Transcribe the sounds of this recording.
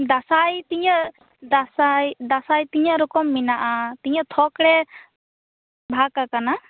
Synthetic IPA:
d̪asajt̪iɲəʔ | d̪asajd̪asajt̪iɲəɾɔkɔmːinaʔat̪iɲət̪ʰɔkɽɛ | bʱakakana

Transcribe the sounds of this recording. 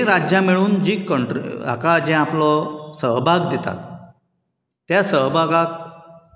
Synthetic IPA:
ɾad͡ʑjãmiɭuːnd͡ʑiːkəɳʈɾ̰a̰kad͡ʑɛ̃aplɔsəɦbʱaɡd̪et̪a̰ | t̪jasəɦbʱaɡak̚

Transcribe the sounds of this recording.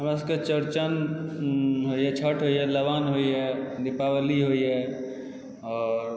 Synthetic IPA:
ɦəmɾas̬ə̃ket͡ʃəɾt͡ʃən | ɦojɛt͡ʃʰəʈɦojɛləʋanɦojjɛnipawəliɦoijɛ | ɔːɾ

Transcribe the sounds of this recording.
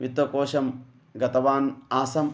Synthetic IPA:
ʋit̪ʋɐkoːʃɐm | ɡɐt̪ɐʋaːnaːsɐm

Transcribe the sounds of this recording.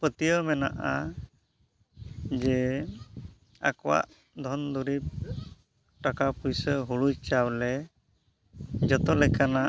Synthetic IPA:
pət̪ijɔmɛna̰ʔa | d͡ʒɛ | a̰kɔwa̰ʔ | d̪ʱɔnd̪uɾip̚ | ʈakapujsəɦuɽujt͡ʃawlɛ | d͡ʒɔt̪ɔlɛkana

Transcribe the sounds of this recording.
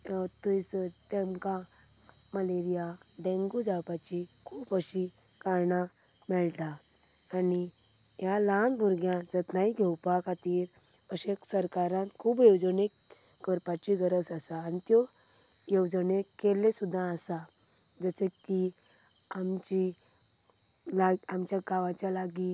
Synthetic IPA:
t̪əjt͡sət̪ɛ̃mka | məleɾijaɖɛ̃ŋɡud͡zawpat͡ɕikʰuːpəɕi | kaɾɳa | mɛɭt̪aː | ni | jalanbʱuɾɡjãd͡zət̪naiɡʱɛwpakʰat̪iːɾ | əɕeksəɾkaɾãnt̪kʰuːbjewd͡zənekː | əɾpat͡ɕiɡəɾəsasaːnit̪jɔ | jəwd͡zənekelːesud̪ʱːãəsa | d͡zəseki | amt͡ɕi | laamt͡ɕjaɡaʋãt͡ɕjalaɡi

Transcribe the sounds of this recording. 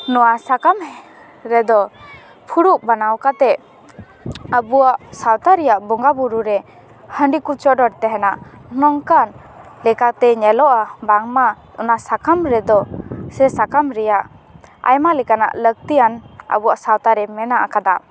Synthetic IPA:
nɔwasakam | ɾɛd̪ɔ | pʰuɽuʔ̚banawkat̪ɛʔ | əbuwaʔsawt̪aɾɛjaʔbɔŋɡabuɾuɾɛ | həɳɖikut͡ʃɔɖɔɽt̪ɛɦɛnaʔnɔŋkan | lɛkat̪ɛɲɛlɔʔabaŋma | ɔnasakamɾɛd̪ɔsɛsakamɾɛjaʔ | a̰jmalɛkana̰ʔlək̚t̪ijanə̰buwaʔsawt̪aɾɛmɛnaʔakad̪a

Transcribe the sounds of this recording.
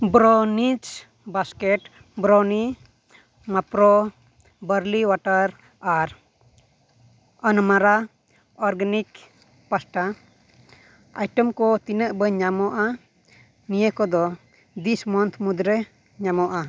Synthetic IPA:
bɾɔnit͡ʃ | baskɛʈ | bɾɔni | mapɾɔ | bəɾliwaʈəɾ | aɾ | ənmaɾa | ɔɾɡanik | pasʈa | a̰jʈɔmkɔt̪inəʔbəɲamɔʔa | nijəkɔd̪ɔ | d̪ismɔnt̪ʰmud̪ɾɛ | ɲamɔʔa

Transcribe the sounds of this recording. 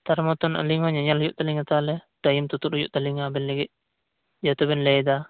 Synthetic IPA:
t̪aɾmɔt̪ɔna̰liŋɔɲaɲalɔd͡ʒuʔt̪aliŋat̪alɛd̥ajimt̪ut̪uɾɔjuʔt̪aliŋabɛnlɛɡɛ | d͡ʒɔt̪ɔbɛnlɛjd̪a

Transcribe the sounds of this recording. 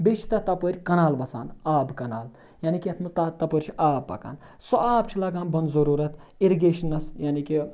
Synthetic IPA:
bet͡ʃʰi̥t̪ɐt̪ɐpoɾʲkɐnaːlʋɐsa̰ːnaːbkɐnaːl | jaːnikʲiɐt̪ʰmɐt̪ɐt̪ɐpoɾʲt͡ʃʰiaːbpɐ̰ka̰ːn | soaːbt͡ʃʰilɐɡaːnbɐnzɐɾuːɾɐt̪iɾiɡeːʃɐnɐsjaːniki

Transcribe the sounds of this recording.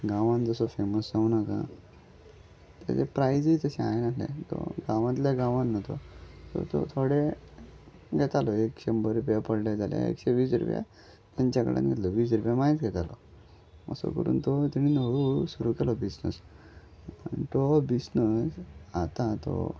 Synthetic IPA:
ɡãʋãnd͡zəsɔfeməsd͡zaunakã̰ | t̪a̰tepɾajd͡zit̪əɕɛ̃ajnat̪lḛ̃t̪ɔ̰ɡãʋãt̪ljaɡãʋãnːɔt̪ɔt̪ɔ̰t̪ɔ̰t̪ʰoɽe | ɡʱɛt̪alɔekɕembəɾupjapəɽlad͡zalja̰ḛkɕeʋiːsɾṵpja̰ | t̪jaɲt͡ɕakə̰ɽa̰nɡʱɛt̪lɔʋiːs̬ɾupjamaɦit͡sɡʱɛt̪alɔ | mə̰sɔ̰kəɾṵːnt̪ɔt̪iɽ̃inoɭusuɾukɛlɔbisnə̰s | ant̪ɔbisnəsat̪at̪ɔ̰

